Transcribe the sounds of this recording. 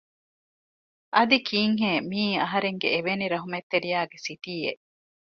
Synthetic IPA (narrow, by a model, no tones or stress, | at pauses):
ʔɐd̪ikʰiːŋɦeːmiːɐɦɐɾeŋɡḛeʋeniɾɐɦumet̪ːeɾijaːɡesit̪iːḛʔ